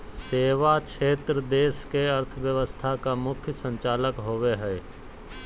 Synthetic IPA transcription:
seːʋakʃeːt̪ɾəd̪eːskeɐɾt̪ʰəʋjəʋəst̪ʰakamʊkʰjəsə̃ɲt͡ʃaːləkɦoʋeɦɛː

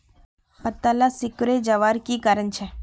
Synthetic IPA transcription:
pɐt̪ːalasɪkɾed͡ʒɐʋaːɾkikaːɾənt͡ʃʰɛ

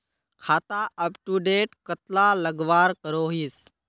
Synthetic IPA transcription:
kʰaːt̪aʔəpʈuɖeːʈkət̪laləɡʋaːɾkəɾoːɦis

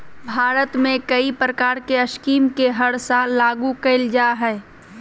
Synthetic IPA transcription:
bʱaːɾət̪mẽkɐipɾəkaːɾkeɐʃkiːmkeɦɐɽsãlaːɡukeɪld͡ʒaːɦɛː

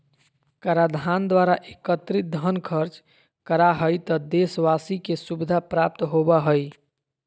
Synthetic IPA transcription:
kaɾad̪ʱand̪waɾaʔekət̪ɾid̪ʱənkʰəɾt͡ʃ | kəɾaɦəjt̪ɔd̪esʋasikesubid̪ʱapɾap̚t̪ɦobaɦəj

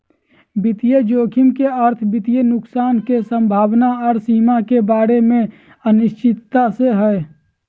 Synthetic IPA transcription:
bɪt̪ijed͡ʒoːkʰɪmkeəɾt̪ʰbɪt̪ijenʊksaːnkesə̃mbʱaːwnaɔːɾsiːmakebaːɾemẽ | ənɪʃt͡ʃɪt̪ːaseɦɛː

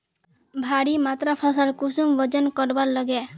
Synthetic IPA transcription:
bʱaɽimat̪ɾapʰɔsəlkusumʋɔd͡ʒənkɔɾbaɾləɡɛ

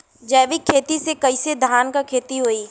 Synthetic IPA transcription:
d͡ʒəːʋɪkʰːeːt̪isekɐised̪ʱaːnkakʰeːt̪iɦoːiː

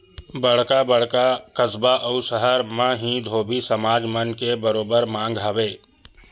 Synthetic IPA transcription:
bəɽ̤kabəɽ̤kakəsbaʔəʊsəɦəɾmãɦĩd̪ʱoːbʱisəmaːd͡ʒmənkebəɾoːbəɾmãːŋɡɦaːbeː

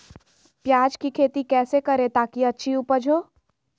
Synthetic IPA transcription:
pjaːd͡ʒkikʰeːt̪ikɛːsekɐɾet̪aːkiɐtːʃʰiuːpəɾd͡ʒʱoː

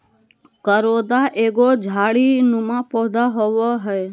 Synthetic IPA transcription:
kəɾod̪aʔeɡod͡ʒʱaːɭinũmãpɔd̪aɦoʋɔɦɔe

